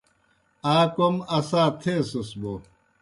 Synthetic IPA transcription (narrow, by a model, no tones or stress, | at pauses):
aːkomɐsaːt̪ʰeːsosbo